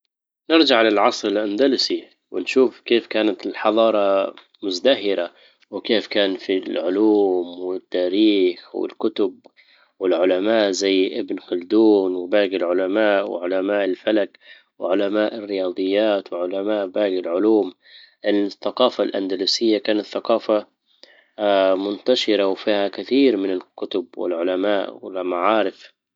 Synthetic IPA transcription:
nɪɾd͡ʒaʕalɪlʕɑsˤɾɪlʔand̪alɪsi | wɪnʃuːfkeːfkaːnat̪ɪlħɑðˤɑːɾˤɑ | mʊzd̪aɦɪɾa | wɪkeːfkaːnfilʕʊluːmwɪt̪ːaːɾiːxwɪ̰lkʊt̪ʊb̚ | wɪlʕʊlamaːʔzajːʔɪbnxʊld̪uːnwɪbaːɡɪlʕʊlamaːʔwɪ̰ʕʊlamaːʔɪlfalak | wɪʕʊlamaːʔɪrːɪjɑːd̪ˤɨjːaːt̪wɪʕʊlamaːʔbaːɡɪlʕʊluːm | ʔɪlθːaqɑːfalʔa̰nd̪aluːsɪjːakaːnat̪θːaqɑːfa | mʊnt̪aʃɪɾawfiːhakɪθiːɾmɪnɪlkʊt̪ʊbwɪ̰lʕʊlamaːʔwɪ̰lmaʕɑːɾɪf

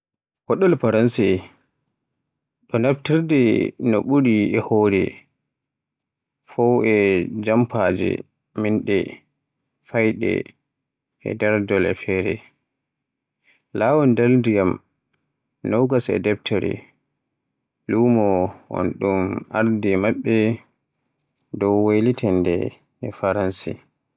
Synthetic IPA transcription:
kɔɗɔlpaɾansɛ | ɗɔnab̚tiɾdɛnɔɓuɾiɛhoɾɛ̰ | fɔwɛd͡ʒampad͡ʒɛ̰ | minɗɛ̰ | fajɗɛ̰ | ʔɛ̰dɛɾdɔlɛ̰fɛɾɛ | lawɔndaldijam | nɔwɡasɛ̰dɛptʰɔɾḭ | luːmɔɔ̰nɗuma̰ɾdimaɓːɛ | dɔwwajlitʰɛndɛ | ɛfaɾansḭ

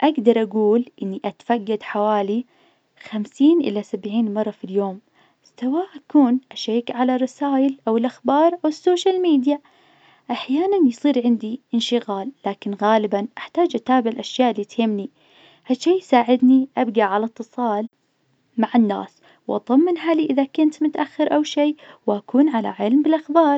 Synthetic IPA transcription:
ʔaɡd̪ɑɾˤʔaɡuːlʔɪnːiʔat̪faɡːad̪ħawaːli | xamsiːnʔɪ̰lːasabʕiːnmɑrˤːɑfiljoːm | sawaːʔakuːnʔaʃeːkʕalarˤːɑsaːjɪlʔawɪlʔaxbɑːɾˤʔawɪsːoːʃalmiːd̪ja | ʔaħjaːnanjsˤiːɾʕɪnd̪iʔɪnʃɪɣaːlːaːkɪnɣaːlɪbanʔaħt̪aːd͡ʒʔat̪aːbɪʕɪlʔaʃjaːʔɪlːit̪hɪmːni | haʃiːjsaːʕɪd̪niʔabɡaʕalat̪ːɨsˤɑːl | maʕɪnːa̰ːs | wʔɑd̪ˤɑmːɪnɦaːliʔɪðakʊnt̪mʊt̪aʔaxːɪɾʔawʃeːwʔakuːnʕala̰ʕɪlmbɪlʔaxbɑːɾˤ

